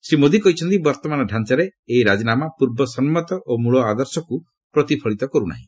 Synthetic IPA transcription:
simod̪ʱikɔɦit͡ʃʰɔnt̪ibɔɾt̪ɔmanɔɖʱant͡ʃaɾeeiɾad͡ʒinamapuɾbɔsɔnmɔt̪ɔʔomuɭɔad̪ɔɾsɔku | pɾɔt̪ipʰɔɭit̪ɔkɔɾuna̰ɦḭ̃

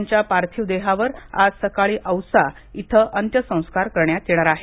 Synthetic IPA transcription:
ɲt͡ɕjapaɾt̪ʰiʋd̪eɦaʋəɾa̰d͡zsəkaɭiːʔəwsa | it̪ʰəʔənt̪jəsə̃w̃skaɾkəɾɳjat̪jeɽ̃aɾaɦe

